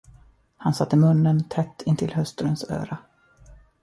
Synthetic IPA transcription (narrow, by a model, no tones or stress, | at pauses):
hansat̪ːəmɵnːənt̪ʰɛt̪ːɪnt̪ʰɪlɦœst̪ɾənsø̰ːɾa